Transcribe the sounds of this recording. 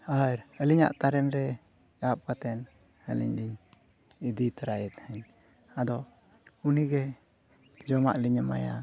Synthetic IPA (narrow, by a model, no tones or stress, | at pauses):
aɾəliɲa̰ʔt̪aɾɛnɾɛ | ap̚kat̪ɛn | əlḭɲliɲ | id̪it̪ɾajɛt̪̚həɲ | ad̪ɔ | uniɡɛ | d͡ʒɔma̰ʔliɲəma̰ja